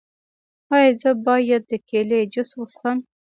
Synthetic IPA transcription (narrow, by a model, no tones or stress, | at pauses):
hɑjezəbɑjad̪̚ːəkʰeled͡ʒʊswosəm